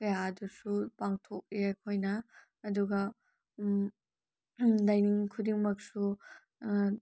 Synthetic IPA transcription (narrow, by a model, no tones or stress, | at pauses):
kɐjadusupaŋtʰok̚ɾiajkʰojnɐː | duɡɐ | lajniŋkʰudiŋmɐk̚su